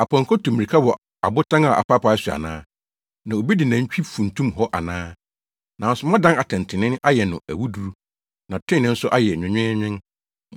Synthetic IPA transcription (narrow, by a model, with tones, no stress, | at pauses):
a˨pʰã˨ŋ̩˨kʰɔ˦tʰũ˨mi˨i˨kʰa˦wɔ˨ | a̰˨bʊ˦tʰã˦ŋa˨ʔa̰˨pʰa˦pa˨˦su˨a̰˨nã̰ː˦ | nã˨o˨bi˦dɪ˨nã˨ɲ̩˦t͡ɕᶣi˦fũ˨n̩˨tʰũ˦mɦɔ˦ʔa˨nãː˦ | nã˨n̩˦sʊ˦mã˦dã˦na˨tʰɛ̃˨n˨tʰɪ̃˨nɪ̃˦n˦ʔa˦jɛ˨nʊ̃˨æ˨wu˦du˨ɾu˦ | nã˨tʰɪ̃˦˨nːɪ̃˦n̩˦sʊ˦ʔa˦jɛ˨ɲᶣɪ̃˨ɲᶣɪ̃˦ɲᶣɪ̃˦n